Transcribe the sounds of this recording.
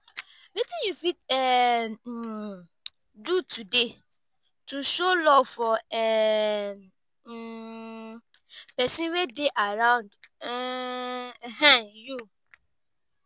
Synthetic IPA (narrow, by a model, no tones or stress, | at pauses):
metĩjufitɛ | dutude | tuʃolɔfɔɛ | pɛsĩnwedeʔaɾãʊ̃nd | ɦãju